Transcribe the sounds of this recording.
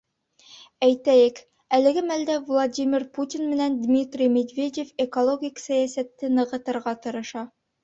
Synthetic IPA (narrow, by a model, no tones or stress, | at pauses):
æjt̪æjɘk | ælɘ̆ɡɘmæld̪ævlˠadʲimʲiɾput̪ʲinmɘ̆nænd̪mʲit̪rʲijmʲed̪vʲedʲefekolˠoɡʲiksæjæsæt̪ːɘnɤ̆ʁɤ̆t̪ɤ̆ɾʁɑt̪ɤ̆ɾɤ̆ʃɑ